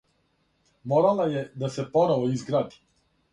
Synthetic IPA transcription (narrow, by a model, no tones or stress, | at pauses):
molalajed̪ase̞po̞noʋoizɡɾaːd̪i̥